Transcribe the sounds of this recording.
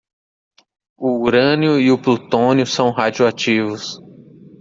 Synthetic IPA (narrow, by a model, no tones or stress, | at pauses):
uuɾɐ̃njʊiʊplut̪õnjʊsɐ̃w̃ɦad͡ʒuat͡ʃivʊs